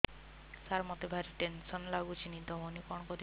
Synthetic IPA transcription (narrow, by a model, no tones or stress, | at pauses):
saɾmɔt̪ebʱaɾiʈensɔnlaɡut͡ʃʰinid̪ɔɦonikɔɳ̃kɔd̪